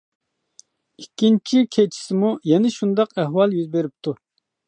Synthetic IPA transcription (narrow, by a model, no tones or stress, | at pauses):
ikʲʰːint͡ʃʰikʲʰet͡ʃʰi̥sɪmujɛnɛʃund̪ɑqɛhwɑlˠjyzbeɾɪp̚t̪ʰu